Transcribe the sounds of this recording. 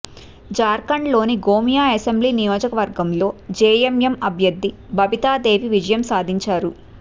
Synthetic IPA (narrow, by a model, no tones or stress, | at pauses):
d͡ʒaːɾkɐɳɖlo̞ːniɡoːmijaːɐsembliːnijoːd͡ʒɐkɐʋɐɾɡɐmlo̞ːd͡ʒeːjemjɐmɐbʱjɐd̪ʱːibɐbit̪aːd̪eːʋiʋid͡ʒɐjɐmsaːd̪ʱiɲt͡ʃaːɾu